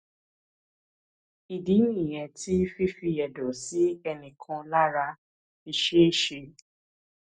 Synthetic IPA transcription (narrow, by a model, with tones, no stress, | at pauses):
i˨di˨˦nĩ˦˨j̃ɛ̃˨tʰi˦fi˦fi˧ɛ˨dɔ˨˦si˦ɛ˧nĩ˨kʰã˧la˦ɾa˧ | i˧ʃe˦i˦˨ʃe˧